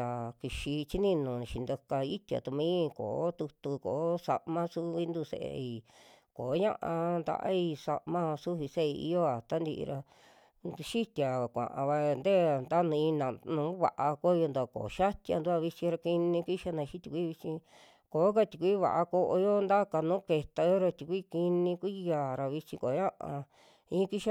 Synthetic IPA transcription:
a˨ki˧ʃi˧t͡ʃi˦nĩ˦nũ˨ʃi˧nd̪o˧ka˧i˦t̪ʲa̰˨t̪u˧mĩː˦˧ko̰ː˨˦t̪u˧t̪u˧ko̰˨˦sa̰˧ʔmã˦su˦βi˦nd̪u˧sḛ˧ʔḛ˧i˧ | ko˨˦ɲã̰˦ʔã˧nd̪a̰˧ʔa̰˦i˧sa̰˧ʔmã˦su˦βi˧se˦i˧ḭ˧jo˦a˨t̪a˦nd̪i˧ʔɾa˧ | ʃi˦t̪ʲa˨kʷã̰˨ʔã̰˨βa˧nd̪e˦˨nd̪a˦nũ˧ĩ˧nã˨nũː˨˦βa˧˨ʔa˧ko˦˧jo˧nd̪a˧˨ko̰˨˦ʃa˦t̪ʲja̰˧nd̪u˦a˧βi˧t͡ʃĩ˧ɾa˧ki˧nĩ˧ki˦ʃa˧nã˧ʃi˦t̪ʲu˧kʷi˦βi˧t͡ʃĩ˧ | ko˨˦k̬a˧t̪ʲu˨kʷi˦βa̰˨ʔa˧ko˧ʔo˧jo˦nd̪a˦ka˧˨nũː˨˦ke˧t̪a˧jo˦ɾa˧t̪ʲu˨kʷi˦ki˧nĩ˧kʷi˦jaː˨ɾa˨βi˧t͡ʃĩ˧ko˨˦ɲã˦ʔã̰˧ | ĩ˦ki˦ʃa˧

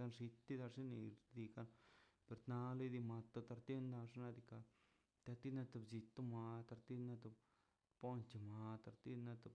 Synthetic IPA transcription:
a˧nʂi˧t̪ːi˦d̪a˧ʂi˦ni˧d̪i˧ka˧npe˨ɾt̪na˧li˦d̪i˧ma˧t̪o˧t̪a˧ɾt̪e˦nd̪a˧ʂna˧d̪i˧ka˧ | t̪a˧t̪i˦na˦˧t̪u˧˨bd͡ʒi˧t̪u˦ma˧t̪a˧ɾt̪i˦na˧t̪u˧˨ | po˦nt͡ʃe˨ma˧t̪a˧ɾt̪i˦na˧t̪u˧b

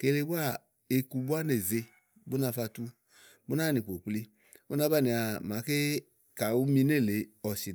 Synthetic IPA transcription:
ke˨˦le˧˦bu˦a˦˨ | e˧ku˧bu˦a˦ne˨ze˧ | bu˦na˧fa˧tu˧ | bu˦na˦˨ni˨po˨k͡pli˧ | u˦na˧˦ba˦˨ni˨a˨ma˨˦ke˦ | ka˨u˦mi˧ne˦˨le˨ɔ˨si˨

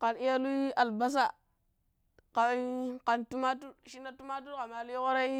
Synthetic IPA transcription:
ka˨ni˦ja˦lu˦i˦a˨lba˦s̬a˦˨ | ka˨˦ka˨ntu˦ma˦tu˦ʃi˦na˦tu˦ma˦t̬u˦ɾka˨ma˨li˦jɣo˦ɾa˦i˦

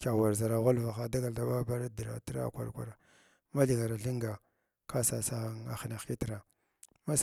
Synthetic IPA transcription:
ka˨wa˨ɾza˨ɾa˨ɣa˦lva˨xa˦da˦ɡa˨lda˨ba˦ba˦ɾa˦di˨ɾa̰˨tɾa̰˦˨kʷa̰˨ɾkʷa̰˨ɾa˨ | ma˦ɮi˨ɡa˨ɾa˨ɬi˦ŋɡa˨ | ka˦sa˨sa˦ɣŋa̰˨xna˨xki˦tɾa˨ | ma˦s

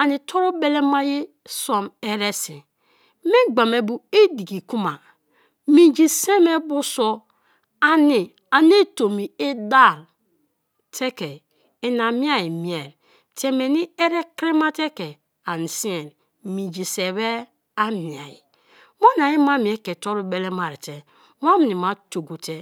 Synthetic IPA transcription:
a˨ni˨tʰo˦ɾo˦be˦le˦ma˦je˦ | so˨me˦ɾe˦si˨ | me˦ɡ͡ba˨me˨bu˨e˦di˨ɡi˨ku˦ma˨ | mi˨d͡ʒi˨se˦me˦bu˦so˦ | a˨ni˨ | a˨n˦e˦to˨mi˨e˦da˦˨l | tʰe˦ke˨ | e˨na˨mi˦a˨ji˨mi˨e˨ɾ | te˦me˨ni˦e˦ɾe˦kɾi˦ma˦te˦ke˨ | a˨ni˨si˦e˨n | mi˨d͡ʒi˨se˨βe˦ | a˦mi˨a˨ji˨ | mo˦na˨ji˦ma˦mi˨e˦ke˨to˦ɾu˦be˦le˦ma˨ɾi˨te˨˦ | a˦m˨ni˨ma˦to˨ɡo˨te˦

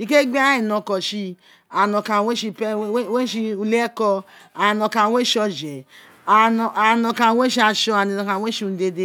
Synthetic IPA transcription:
i˨ke˦ɡ͡bi˦a˦i˨nɔ˨kɔ˨ʃi˦ | a˨no˨ka˨we˦ʃi˧pe˦we˦ʃi˧u˦le˦kɔ˦a˨nɔ˨ka˨we˦ʃɔ˦d͡ʒe˨ | a˨nɔ˨a˨nɔ˨ka˨we˦ʃi˦a˨ʃɔ˦a˨ni˨nɔ˨ka˨we˦ʃu˦n˦de˦de˦

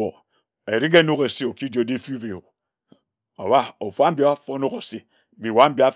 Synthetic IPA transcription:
o˨ | e˨ɾi˦k̬e˦nu˦ke˨si˦o˨ki˦d͡ʒo˨˦di˦fu˦be˨o˨ | o̰˨wa˦o˨fu˦a˦m̩˦ba˦a˦fo˦nu˦ko˨si˦˨ | bi˨wa˦m̩˦bi˦a˦

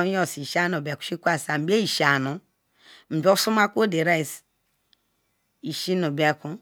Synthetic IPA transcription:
o˦si˨ʃa˦n˨o˨be˨ku̥˨ʃi˦kʷa˨sa˨m̩˨be˦i˨ʃa˨nu˨ | m̩˨bi˦o˦su˦ma˦kʷo˦de˨ɾa˦i˨s | i˨ʃi˦no˨be˨ku˦

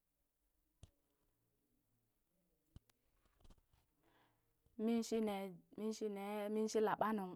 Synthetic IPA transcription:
mi˦nʃi˦ne˨mi˦n˦ʃi˦ne˨mi˦n˦ʃi˦la˨ɓa˦nu˨m

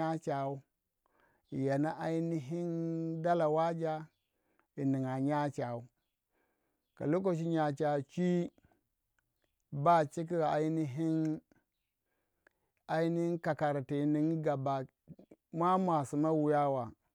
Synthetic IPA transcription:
a˦t͡ʃa˨u˦ | i˨ja˨na˦ʔa˦i˦ni˦ɦi˦nda˦la˨wa˦d͡ʒa˦ | i˨ni˨ŋa˨ɲa˦t͡ʃa˨u˦ | ka̰˨lo˦k̬o˨ʃ̬i˦ɲa˨t͡ʃa˨t͡ʃi˦ | ba˦˨t͡ʃi˦k̬i˦˨a˨i˦ni˦ɦi˦n | a˦i˦ni˦hi˦ka˨ka˨ɾti˨ni˨ŋ˦ɡa˨ba˨ | ma˦mʷ˦a˨si˨ma˦wu˨ja˦wa˨

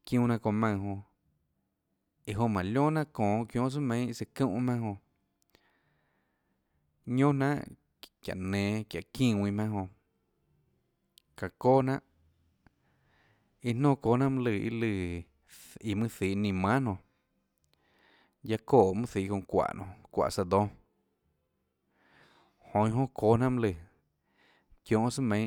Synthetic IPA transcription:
kjũː˦˧˨nã˧kõ˧˨mã˧˨ɦõ˧ | i˨ɦõ˧mã˨lʲõ˦nã˦˧kõː˨˧kjõ˧˦ʔs̬ɨ˦mẽ˨˧˦se˧kũ˦ʔmã˦hõ˧ | ɲõ˦nã˦ʔ | kja̰˨ʔnẽː˨kja˨kĩː˦˧˨wĩ˧mã˧ɦõ˧ | ka˨koː˦nã˦ʔ | i˧nõː˦˨koː˧˦nã˦mɨ̃˦lɨ˧˨ḭ˧lɨ˧˨ | i˧˨mɨ̃˦θiː˨˦˨nĩ˧˨mã˦nõ˧˨ | ja˧koː˦˨mɨ̃˦θiː˨kõ˧˨kʷa̰˨nõ˧˨kʷa̰˨ʔsa˧d̪õ˧˦ | hõ˧ĩ˧ɦõ˦kʰoː˨˦nã˦ʔmɨ̃˦lɨ˧˨ | kjõ˧˨ʔsɨ˦mẽ˧˦

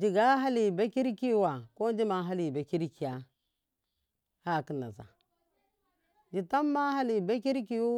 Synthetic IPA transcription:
d͡ʒi˨ɡa˦ɦa˦li˨be˦ki˦ɾki˦˨wa˨ko˦nd͡ʒi˦ma˨ɦa˦li˨be˨ki˦ɾki˨ja˨ | ha˦˨ki˦na̰˨za̰˨ | d͡ʒi˨ta˦mːa˦ha˦li˨be˦ki˦ɾki˦ju˦

